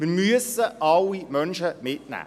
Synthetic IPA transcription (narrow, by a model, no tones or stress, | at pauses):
mimyəsəʔɑlimœnʃəmɪtnæ̰ː